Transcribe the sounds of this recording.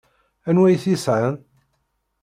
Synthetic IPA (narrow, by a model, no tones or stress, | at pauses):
ænwæjθisʕan